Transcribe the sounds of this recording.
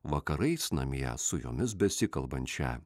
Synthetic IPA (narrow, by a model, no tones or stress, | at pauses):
ʋɐkɐɾɐɪsnɐ̰mʲjɛ̰sʊjo̰ːmʲɪs̬bʲɛsʲɪkɐlˠbɐnʲt͡ʃʲɛ̰